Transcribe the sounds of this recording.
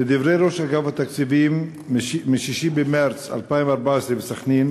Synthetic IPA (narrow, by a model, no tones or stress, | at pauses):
ed̪ivɾejɾo̞ʃaɡavhat̪akt͡sivimː | iʃiʃibemaɾt͡sa̰lpaimvaɾbaesɾebesaχnin